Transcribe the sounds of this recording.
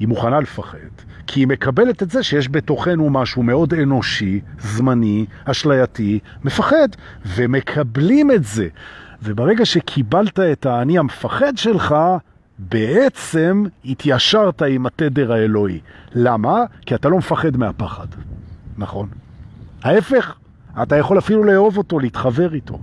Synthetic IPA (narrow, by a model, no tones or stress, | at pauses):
imuχanalefaχe̞̰d̥ | kʰiːme̞kabe̞le̞tetze̞ʃejeʃ̬be̞to̞χe̞numaʃume̞o̞de̞no̞ʃizmani | aʃlajatime̞faχe̞d | veme̞kʰablime̞tze̞vebaʁeɡaʃe̞kʰibaltae̞taːnihamefaχedʃe̞lχa | be̞ʔet͡se̞mitjaʃaʁtaimatede̞ʁaelo̞ḭlamakiatalo̞mefaχe̞dmeapaχadnaχo̞nhae̞fe̞χ | atajaχo̞lafiluleːo̞vo̞to̞leitχave̞ʁito̞̰